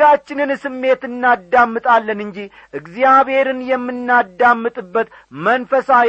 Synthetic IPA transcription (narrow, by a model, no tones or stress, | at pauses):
at͡ʃːɪnɨnsɨmːe̞t̪ɨnːad̪ːamːɨt̪ʼalːənɨɲd͡ʒi | ʔɨɡzijaβhe̞ɾɨnjɛmːɨnːad̪ːamːɨt̪ʼɨbːət̪ | mənfəsa